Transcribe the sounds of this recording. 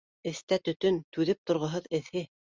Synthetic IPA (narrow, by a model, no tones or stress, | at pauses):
ɘ̆θt̪æt̪ɵ̆t̪ɵnt̪ʉðɘp̚t̪ŏɾʁɤ̆ɦɤðɘ̆θhɘ